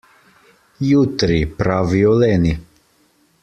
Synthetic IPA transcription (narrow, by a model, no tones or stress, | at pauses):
jut̪ɾipɾaviɔlɛni